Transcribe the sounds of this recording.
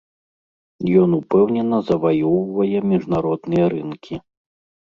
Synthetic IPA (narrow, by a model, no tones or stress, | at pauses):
jɔnupɛwnʲɛnɐzɐvajɔwvɐjɛmʲiʐnaɾɔd̪nɨjɐɾɨnkʲi